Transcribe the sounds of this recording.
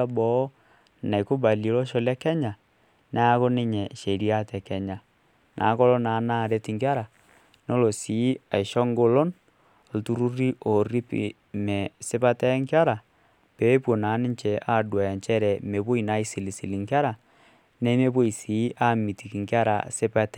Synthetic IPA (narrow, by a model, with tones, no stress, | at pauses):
a˦bɔ˨˦ | na˨i˨ko˦ba˨li˨˦lo˦ʃo˦lɛ˦kɛ˦ɲa˨ | na˦a˦ko˦ne˦ɲɛ˨ʃe˨ɾi˦a˦tɛ˨kɛ˦ɲa˨ | nʔa̰ː˨˦kɔ˦lɔ˦na˨˦na˦˨ɾe˦ti˨ŋka˦ɾa˨ | no˦lo˨si˨˦a˨i˨ʃɔ˦ŋɡo˦lo˦n˨ | ltu˦ɾu˦ri˦ʔo˨ri˦pḭ | mɛ˨se˦pa˦tɛ˦ŋkja˦ɾa˨ | pe˨˦pwo˨na˨˦ni˦t͡ʃɛ˨ʔa˦dwa˨ɲt͡ʃɛ˦ɾɛ˨me˨βo˦i˨na˦i˦si˨li˨si˨li˨ŋka˦ɾa˨ | ne˦me˦βo˦i˨si˨˦ʔa˦mi˨ti˨ki˨ŋkja˦ɾa̰˨se˦pa˦tɛ˦